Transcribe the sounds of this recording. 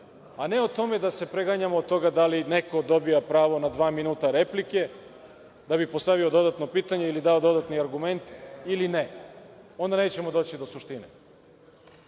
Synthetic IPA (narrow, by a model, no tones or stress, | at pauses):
ane̞ot̪o̞me̞d̪ase̞pɾeɡaɲamoːd̪t̪ːo̞ɡad̪aline̞ko̞d̪o̞bijapɾaːʋo̞nad̪ʋaːminuːt̪aɾe̞plike̞ | d̪abipo̞st̪aʋio̞d̪o̞d̪at̪no̞piːt̪aɲe̞ilid̪aod̪o̞d̪at̪niaɾɡume̞nt̪iline | o̞nd̪aneːt͡ɕe̞mo̞d̪o̞ːt͡ɕid̪o̞suʃt̪inḛ